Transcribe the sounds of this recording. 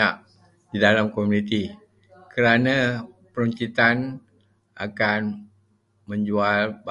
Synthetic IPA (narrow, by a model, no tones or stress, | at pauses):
aʔ | didalamkomunit̪i | kəɾana | pəɾuɲt͡ʃit̪an | a̰kan | məɲd͡ʒualba